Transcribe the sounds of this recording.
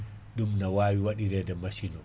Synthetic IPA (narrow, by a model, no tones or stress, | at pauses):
ɗumnawaːwiwaɗiɾɛdɛmasinɔ